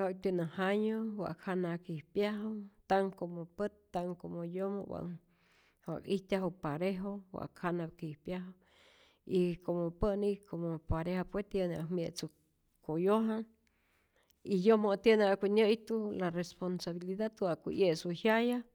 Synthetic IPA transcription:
hakt̪unahaɲowa̰ʔkʰanakihpjaɦat̪aŋkomopət̪ːaŋkomojomo̰wa̰ŋ | wa̰kiht̪ʲaɦopaɾeɦowa̰ʔkʰanab̚kihpjaɦaw | ikomopənikʰomopaɾehapwet̪joneʔamjeʔt͡su | kojoɦa | ijomot̪eneakʷinəjt̪ularesponsaβiliðat̪wakʷḭjesuhjaja

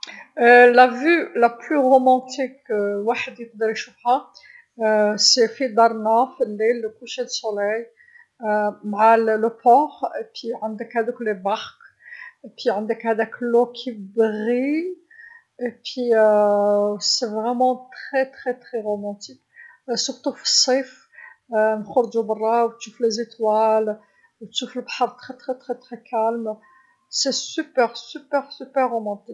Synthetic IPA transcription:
lævylæplyʁomɑ̃t̪ikwaħəd̪jəq̚d̪əɾʃufha | sefid̪ɑɾˤnafəlːilːəkuʃed̪əsolɛj | maʕalləpɔʁepwiʕənd̪əkhæd̪əklebaʁk | piʕənd̪əkhæd̪æklokʰibʁi | epwi | sevʁɛmɑ̃t̪χɛt̪χɛt̪χɛʁomɑ̃t̪ik | suʁt̪ufə̥sˤːif | nxʊɾd͡ʒubɑrˤːɑwt̪ʃuflezet̪wal | wt̪ʃufəlbaħɑɾˤt̪χɛt̪χɛt̪χɛt̪χɛkʰalm | sɛsypɛʁsypɛʁsypɛʁːomɑ̃t̪ik

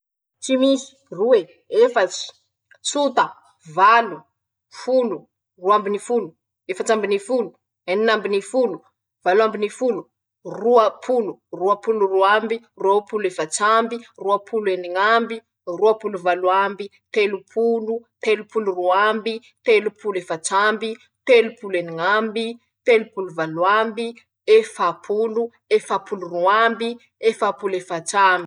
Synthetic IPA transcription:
t͡ʃimisi̥ | ruwe | efət͡ʃi̥ | t͡sut̪ə | valu | fulu | ruambinifulu | efat͡ʃambinifulu | eninambinifulu | v̥aluambinifulu | ruapʰuluruapuluruambi | ruapulefat͡sambiruapʰulueniŋambi | ruapuluvaluambi | t̪elupʰulut̪elupuluruambi | t̪elupʰulefat͡ʃambi | t̪elupuleniŋambi | t̪elupuluvaluambi | efapʰulu | efapuluruambi | efapulefat͡ʃambi

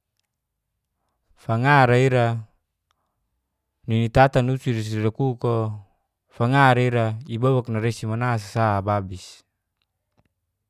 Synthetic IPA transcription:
faŋaɾaiɾa | ninit̪at̪anusiɾis̬iɾakuko | faŋaɾaiɾaibowak̚naɾesimanas̬ḁsababis

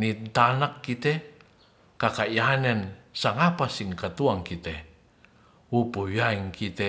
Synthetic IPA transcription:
nit̪anakːit̪e | kakaianɛnsaŋapasiŋkat̪uaŋkit̪ɛ | upuwjaiŋkʰit̪e

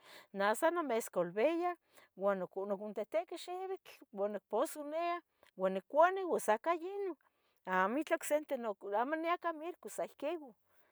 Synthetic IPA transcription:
nasanomeskolβeja | wanknokunt̪et̪eʔkeʃeβit͡ɬwanːok̚posunea | wanːikːʷanewasakajino | amit͡ɬoksent̪enoamoneakamiɾkusaihkewo

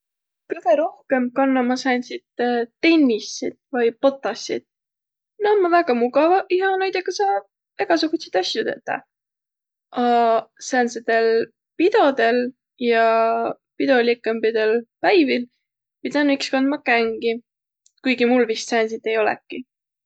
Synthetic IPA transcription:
kɯɡeɾo̞hke̞mkɑnːɑmɑsænʲsid̪̥t̪e̞nʲːisid̪̥vɯjpo̞t̪ˑːɑsʲːḭd̪̥̚ | nonmɑvæɡ̥ɑmuɡɑvɑʔihɑnæjd̪ɑkɑsɑː | eɡ̥ɑsuɡut̪sejt̪ɑsjut̪e̞̰t̪ːɑ̰ | ʔɑsænsed̪̥e̞l | pid̪o̞d̪e̞l | jɑ | pid̪o̞lʲikːˑembid̪̥e̞lpæjvil | pid̪ɑnːikskɑnd̪mɑkæŋɡ̥i | kujɡimulvist̪sænʲsit̪ːe̞jo̞lɛ̰kːˑi

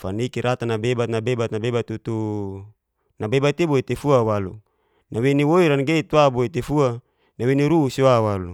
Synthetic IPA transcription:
fanikiɾʔat̪anabebat̪̚nabebat̪̚nabebat̪ut̪u | nabebat̪iboit̪efuawalṵ | naweniwoiɾanɡet̪waboit̪efua | naweniɾusiwawalṵ

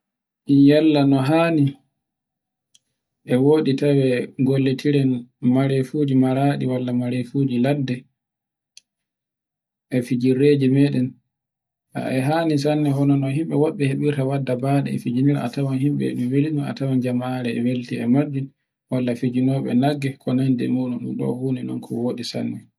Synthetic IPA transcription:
ʔijalːanɔɦaːni | ʔɛwoːɗitawɛɡolːetʰiɾɛnmaɾefud͡ʒimaɾaɗiwalːamaɾefud͡ʒiladːɛ | ʔɛfid͡ʒiɾed͡ʒimɛɗɛn | ʔa̰ʔɛɦaːnis̬anːɛɦɔnɔnɔɦimɓɛwaɓːɛheɓiɾtawadːabaɗɛ̰ɛ̰fid͡ʒiniɾa̰a̰tawanhimɓɛ̰ɛ̰ɗuwelinaa̰tawand͡ʒamaaɾɛɛ̰weltiɛmad͡ʒːi | walːafid͡ʒinɔɓɛ̰naɡːɛkʰɔnandɛ̰muɗunumɗɔ̰huːninɔ̰nkʰɔwoːɗisa̰nːɛ

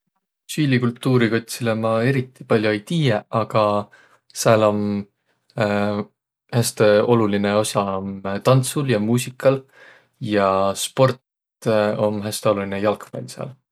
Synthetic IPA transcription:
siːlikult̪ˑːuːɾiko̞t̪̚silemɑe̞ɾit̪ːˑi̥pɑlʲjoejt̪iːjeʔɑɡ̥ɑ | seɑlo̞m | hæst̪eo̞lulineo̞sɑmt̪ɑnt̪suljɑmuːsikːˑɑl | jɑspo̞rt̪ | o̞mɦæst̪eo̞lulinejɑlkvḛlʲseɑ̰ːl

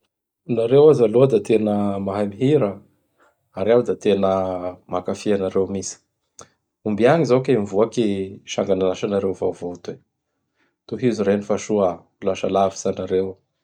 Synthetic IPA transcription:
naɾewazaluad̪at̪enəmaɦamiɦiɾə | aɾawd̪at̪enəmakafianaɾewmisi̥ | umbiaŋizakemvuakiʃaŋɡananaʃanaɾewvavot̪e | t̪uɦizuɾenifaʃuə | laʃalavi̥sanaɾew

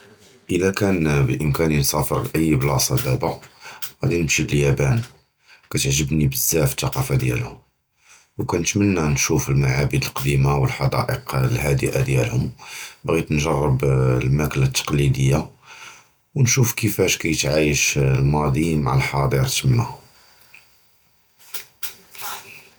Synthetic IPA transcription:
ʔəlækænbəʔəmkæninsˤɑfəɾlʔəjːblɑsˤɑd̪æbaɣæd̪inəmʃib̪əljæbæn | kæt̪əʕʒəbnibəzːæfət̪ːɑqɑfad̪jæ̰lhʊm | wkænət̪mənːænʃufəlmaʕabəd̪əlqd̪imawəlħɑd̪ɑ̰ʔəqlhæd̪əʔa̰d̪jælhʊmbɣit̪nʒɑrˤːəblmæklat̪ːɑ̥qlid̪əjːa | wnʃufkəfæʃkæjət̪ʕajəʃlmɑd̪ˤimaʕalħɑd̪ˤiɾt̪əmːah

